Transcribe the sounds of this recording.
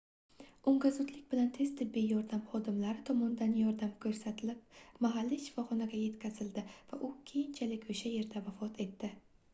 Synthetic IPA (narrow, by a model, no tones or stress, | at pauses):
ʊŋɡazʊd̪lɪkʲbɪlant̪ʰe̞z̥t̪ʰɪbːijɒɾd̪amχɒd̪ɪmlaɾɪt̪ʰɒmɒnd̪anjɒɾd̪amkʰɵɾsat̪ʰɪlɪp̚maɦalːiʃɪ̥fɒχɒnaɡʲaje̞t̪kʲʰazɪld̪ɪvaʔʊkʲʰe̞jɪnt͡ʃʰalɪkʲoʃaje̞ɾd̪avafɒt̪ʰe̞t̪ːɪ